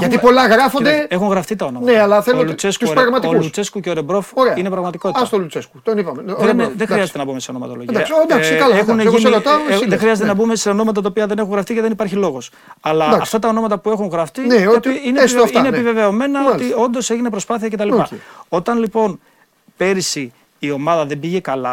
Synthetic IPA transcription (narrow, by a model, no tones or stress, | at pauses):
ʝɐt̪ipolɐɣɾɐfond̪ee̞xuŋɣɾɐft̪it̪ɐonomɐneɐlɐθelolut͡se̞sk̪uɾɐɣmɐt̪iolut͡se̞skuceoɾebɾo̞foɾeɐine̞pɾɐɣmɐt̪i̥ko̞t̪ist̪olut͡seskut̪onipɐmeenðexiɐzet̪enɐbume̞seono̞mɐt̪oloʝid̪ɐsd̪ɐkskɐloexuneeɾot̪anðexɾiɐzet̪enɐbume̞se̞o̞no̞mɐt̪ɐt̪ɐopiɐðe̞ne̞xuŋɣɾɐft̪θiceðe̞nipɐɾçilo̞ɣo̞s | ɐlɐɐɐft̪ɐt̪ɐo̞no̞mɐt̪ɐpue̞xuŋɣɾɐft̪ineoineesfineːpive̞ve̞o̞menɐot̪io̞nd̪o̞se̞ʝine̞pɾo̞spɐθiɐcet̪ɐlippɐo̞t̪ɐnlipo̞n | pe̞ɾisiː | o̞mɐðɐðe̞biʝekɐlɐ